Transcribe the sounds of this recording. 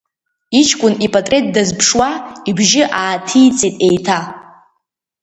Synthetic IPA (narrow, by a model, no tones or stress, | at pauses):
it͡ʃʰkʷʼʊnipʼatʼret̚dazpʰʂwaibʒɪʔaːtʰijt͡sʼitʼejtʰa